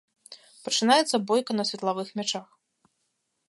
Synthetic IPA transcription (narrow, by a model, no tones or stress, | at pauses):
pɐt͡ʂɨnajɛt̪sɐbɔjkɐnɐsʲvʲɛt̪lˠavɨxmʲat͡ʂax